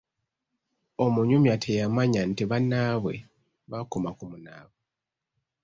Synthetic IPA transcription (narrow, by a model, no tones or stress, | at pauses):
o̞muɲumjatʰejamaɲantiβanːaβwe̞̰ | βakomakumuna̰ːβwe